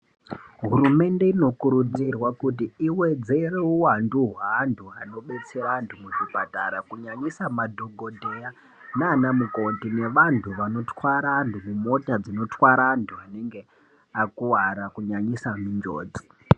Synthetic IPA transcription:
ɦuɾume̞nde̞ino̞kuɾud͡zirwakutiiwe̞d͡ze̞ɾeuwanduɦaːntʰuano̞ɓe̞t͡seɾaːntʰumuʐipata̰ɾakuɲaɲisamadʱoɡʱo̞dʱeja | naːnamukontine̞ʋantʰuʋano̞twaɾantʰumumo̞tad͡zino̞twaɾaːntʰuaneŋɡe̞ | akuwaɾakuɲaɲisamind͡ʒo̰ːd͡zi

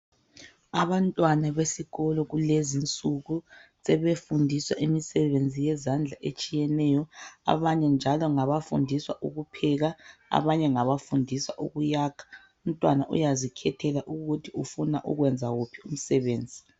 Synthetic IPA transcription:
aβantʼwanaβesiɣɔlɔɣulezint͡sʼuɣusɛβefundʱiswa̰ʔimisɛβend͡zʱijɛzand͡ɮʱaʔet͡ʃʼijɛnɛːjɔa̰βaɲɛnd͡ʒʱalɔŋaβafṵndʱiswaʔuɣupʰɛɣaa̰βaɲɛŋaβafundʱiswa̰ʔuɣujaːkʰḁ | um̩tʼwanaʔṵjazikʰɛtʰɛlaʔuɣutʰiufuna̰ʔṵɣwɛnd͡zʱaɣupʰium̩sɛβeːnd͡zʱi

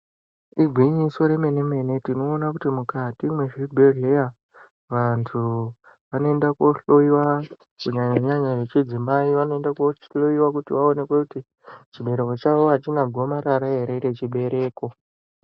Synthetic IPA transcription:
iɡʱwiɲisoɾe̞me̞ne̞me̞ne̞tino̞ːnakutimukatimwe̞ʐibʱe̞ɮeja | ʋantʰu | ʋano̞e̞ndako̞ɬoiwa | kuɲaɲaɲaʐet͡ʃid͡zimaiʋano̞e̞ndakoɬoiwakutiʋaone̞kwekuti | t͡ʃiɓe̞ɾe̞ko̞t͡ʃaʋo̞at͡ʃinaɡʱo̞maɾaɾaɦe̞ɾe̞ɾe̞t͡ʃiɓe̞ɾe̞ːko̞

